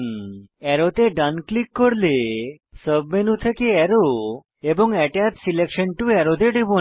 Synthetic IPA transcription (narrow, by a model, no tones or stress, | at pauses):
ɛɾot̪eɖanklikːoɾle | səbmenut̪ʰekeɛɾo | eboŋɛʈat̪silekʃənʈuɛɾod̪eɖibo